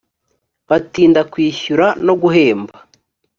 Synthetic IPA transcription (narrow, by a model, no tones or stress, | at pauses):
βatiːndakwiːçuɾano̞ɡuɦe̞ːmbḁ